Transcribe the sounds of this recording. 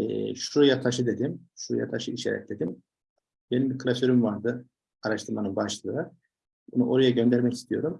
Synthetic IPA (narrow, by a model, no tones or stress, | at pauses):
ɛ̰ʃujat̪ʰaʃɯd̪e̞d̪imʃuja̰t̪ʰaʃɯiʃeɾɛ̰c̚d̪e̞d̪im | be̞nimbiɾkʰɯlʲˠasøɾymvaɾd̪ɯ | aɾaʃt̪ʰɯɾmanɯnbaʃlˠɯɯ | bunṵʔo̞ɾajaɟønd̪æɾmɛcist̪ʰijo̞ɾum